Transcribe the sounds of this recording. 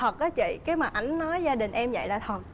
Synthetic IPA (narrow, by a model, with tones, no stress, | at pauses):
ə˨˩t̚ʔɔ˨˦t͡ɕḭ˧˨kaː˨˦jmaː˨˩ʔa˨˦jŋ̟nɔ˨˦jzaː˧ɗï˨˩ŋ̟ʔɛ˧mzə̰˧˨jlaː˨˩t̪ʰwə˨˩t̚